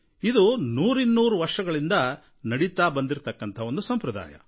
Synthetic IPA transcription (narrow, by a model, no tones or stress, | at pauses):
id̪unuːɾinːuːɾuʋɐɾʂɐɡɐɭind̪ɐ | nɐɽit̪aːbɐnd̪iɾt̪ɐkːɐnt̪ʰɐond̪usɐmpɾɐd̪a̰ːjɐ̰